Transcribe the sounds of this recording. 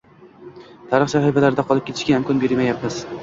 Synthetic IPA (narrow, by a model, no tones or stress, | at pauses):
t̪ʰaɾɨχsaχifalaɾɪd̪aqʰɒlˠɪp̚kʲe̞t̪ʰɪʃkʲaɪmkʰɒnbe̞ɾmajapmɪz̥